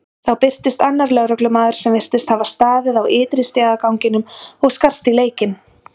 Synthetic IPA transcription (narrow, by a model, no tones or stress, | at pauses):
θawpɪr̥t̪ɪst̪anːaɾlɛɣɾœklʏmaːðʏɾ̥sɛmvɪr̥t̪ɪst̪havast̪aːðɪðawʔɪːt̪ɾɪst̪jaðakawŋcɪnʏmɔɣskar̥st̪ileːjcɪn